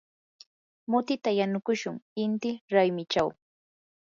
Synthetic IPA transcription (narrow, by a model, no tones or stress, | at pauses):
mʊt̪ɪt̪ajanʊkʊʃʊŋɪnt̪ɪɾajmɪt͡ʃaw